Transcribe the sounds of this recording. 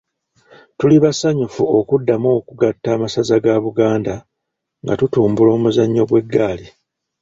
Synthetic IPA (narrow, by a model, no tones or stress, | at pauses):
tuliβasaɲufuo̞kudːamoːkuɡatːaːmasazaɡaβuɡaːnda | ŋɡa̰tutuːmbulo̞ːmuzaɲːo̞ɡwe̞ɡːaːli